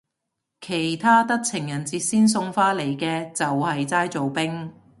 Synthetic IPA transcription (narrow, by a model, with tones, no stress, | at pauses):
kʰe˨˩jt̪ʰaː˥t̪ɐ˥k̚t͡sʰɪ˨˩ŋjɐ˨˩nt͡siː˧t̚siː˥ns̬ʊ˧ŋfaː˥le˨˩jkɛː˧t͡sɐ˨whɐ˨jt͡saː˥jt͡so˨wpɪ˥ŋ